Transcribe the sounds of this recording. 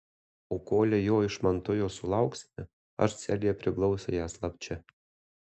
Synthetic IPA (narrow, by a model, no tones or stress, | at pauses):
oːkoːlʲɛjoːɪʃmɐnt̪ʊjoːsʊlˠɑˑʊksʲnʲɛ | ɐ̰ʃsʲælʲijɛpʲɾʲɪklˠɒʊsʲɛjæːslˠɐpʲt͡ʃʲɛ